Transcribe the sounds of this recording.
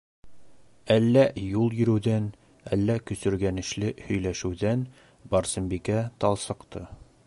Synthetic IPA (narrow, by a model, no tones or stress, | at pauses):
ælːæjulˠjɵ̆ɾɘ̆wðæn | ælːækɵ̆sɵ̆ɾɡænɘ̆ʃlɘhɵ̆jlæʃɘ̆wðæn | bɑɾsɤ̆mbikæt̪ɒlˠsɤ̆qt̪ʰɤ